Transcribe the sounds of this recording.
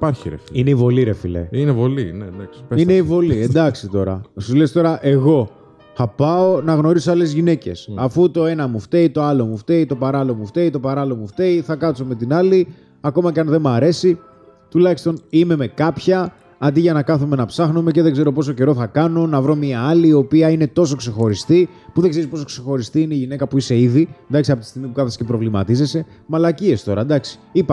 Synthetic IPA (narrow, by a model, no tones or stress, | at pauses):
ipɐɾçiɾḛfiineivo̞liɾe̞fḭlḛinevolineɐseine̞ivo̞liend̪ɐksit̪o̞ɾɐ̰sulest̪o̞ɾɐʔe̞ɣo̞ | θɐpɐo̞nɐɣno̞ɾisoɐle̞zʝine̞ce̞̰sɐfut̪o̞e̞nɐmuft̪e̞it̪o̞ɐlo̞muft̪e̞it̪o̞pɐɾɐlo̞muft̪e̞it̪o̞pɐɾɐlo̞muft̪eiθɐkɐso̞me̞t̪inɐli | ɐko̞mɐceɐnðe̞muɐɾe̞si | t̪ulɐçist̪o̞nime̞me̞kɐpçɐː | d̪iʝɐnɐkɐθume̞nɐpsɐxnume̞ce̞ðeɡze̞ɾo̞po̞s̬o̞ce̞ɾo̞θɐkɐno̞nɐvɾo̞miɐɐliːo̞piɐine̞t̪o̞so̞kse̞xo̞ɾist̪i | puðeɡzeɾispo̞so̞kse̞xo̞ɾist̪iineiʝine̞kɐpuise̞iðind̪ɐksiɐpot̪i̥st̪iɣmipukɐθɐse̥cepɾo̞vlimɐ̰t̪ize̞se̞ | mɐlɐcie̞st̪o̞ɾɐd̪ɐksi̥ipɐ